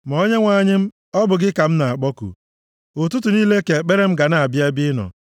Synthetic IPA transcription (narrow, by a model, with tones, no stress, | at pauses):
m˨ɔ˦ɲe˦ŋʷa˨ɲɪ˦m̩˦ | ɔ˦bʊ˨ɡɪ˦ka˨m̩˦na˨a˨k͡pɔ˦kṵ˨ | ʊ˨tʊ˦tu˨niː˦le˦ke˨k͡pe˦ɾe˦m̩˦ɡa˨na˨a˨bje˦bɪ˦nɔ̰˨